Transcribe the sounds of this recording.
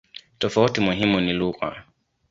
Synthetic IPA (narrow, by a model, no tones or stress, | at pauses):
tɔfautimuɦimuniluɣa̰